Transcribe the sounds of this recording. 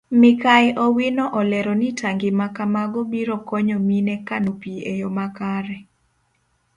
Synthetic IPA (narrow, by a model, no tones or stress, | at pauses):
mɪkaɛʔɔwinɔʔɔlɛɾɔnitaŋɡɪmakamaɡɔbiɾɔkɔɲɔminɛkanopiejɔmakaɾɛ